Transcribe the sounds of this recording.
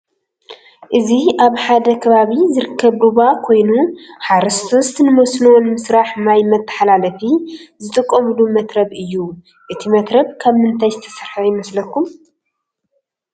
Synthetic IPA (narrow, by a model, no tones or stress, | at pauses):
ʔɨziʔaβħad̪ɐkʰɐβaβizɨɾɨkʰːɐβduβakʰo̞jnuħaɾɐst̪ʰost̪nɨmosnuwonmɨsɾaħmajmɐt̪ʰːɐ̥ħalalɐfizɨt̪ʼɨkʼːomɨlumɐt̪ɾɐβʔɨjːu | ʔɨt̪ʰimɐt̪ɾɐβkʰaβmɨnt̪ʰajzɨt̪ʰɐ̥sɐɾħajɪmɐslɐkʰːum